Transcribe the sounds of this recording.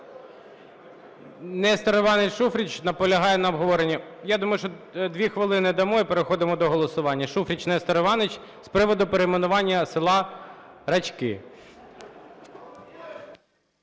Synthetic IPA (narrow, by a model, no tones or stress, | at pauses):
nɛst̪ɐɾɔʋɑnɪt͡ʃʃufɾʲit͡ʃnɐpɔlʲɐɦɑjɛnɐɔbɦɔʋɔɾenʲːɐjad̪umɐjʊʃt͡ʃɔd̪ʋʲixʋɪlˠɪnɪd̪ɐmɔipeɾexɔd̪ɪmɔd̪ɔɦɔlˠɔsʊʋɑnʲːɐʃufɾʲit͡ʃnɛst̪ɐɾɔʋɑnɪt͡ʃspɾɪʋɔd̪ʊpeɾemenʊʋɑnʲːɐsɪlˠɑɾɐt͡ʃkɪ̰